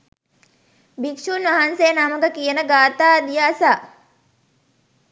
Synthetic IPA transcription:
bikʂunʋaɦansejənaməkəkijənəɡaːt̪aːd̪ijaːsaː

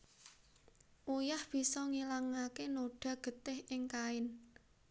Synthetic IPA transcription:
ʔujahb̥i̤sɔŋilaŋakenoɖ̥ä̤ɡ̥ə̤t̪ɪhʔɪŋkaɪn

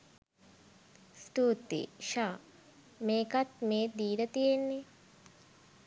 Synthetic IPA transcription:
sʈuːt̪ːḭʃaː | meːkat̪meːd̪iːlət̪ijenːe

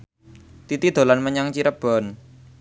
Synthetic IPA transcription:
t̪it̪id̪̥o̤lanməɲaŋt͡ʃiɾəb̥ɔ̤n

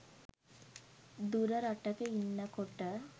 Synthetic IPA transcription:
d̪uɾɐɾɐʈːɐkeinːɐkoʈːɐ

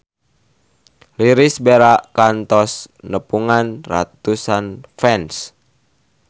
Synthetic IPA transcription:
liɾisbeɾaʔkant̪ɔsnəpuŋanra̰t̪usanfɛns

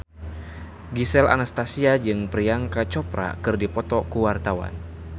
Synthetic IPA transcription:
ɡisɛla̰nast̪asiad͡ʒɨŋpɾiaŋkat͡ʃɔpɾa̰kɨrdipɔt̪ɔkuwart̪awa̰n

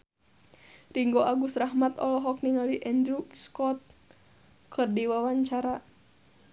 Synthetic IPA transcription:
riŋɡoʔaɡusraɦmat̪ɔlɔɦɔk̚niŋaliʔɛnd̪ɾuskɔt̪̚ | kʰɨrdiwawaɲt͡ʃaɾa

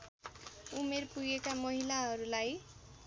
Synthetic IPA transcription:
umerpuɡekamʌɦilaɦʌɾulaj

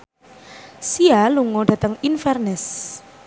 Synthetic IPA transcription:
sialuŋɔɖä̤t̪əŋinfɛrnɛs

